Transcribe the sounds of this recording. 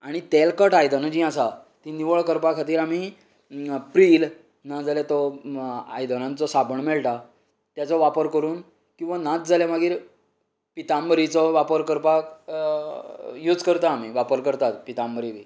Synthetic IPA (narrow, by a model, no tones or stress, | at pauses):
aɽ̃it̪elkəʈajd̪ənd͡ʑĩasa | t̪iniʋəɭkəɾpakʰat̪iːɾam̤i | pɾiːl | nad͡zaljat̪ɔ | a̰jd̪ənãnt͡sɔsabəɳmɛɭʈa | t̪jat͡sɔʋapəɾkəɾuːn | kĩw̃ʋanat̪d͡zalemaɡiːɾ | pit̪ambəɾit͡sɔʋapəɾkəɾpak | jud͡zkəɾt̪aːm̤iʋapəɾkəɾt̪at̪pit̪ambəɾiʋḭː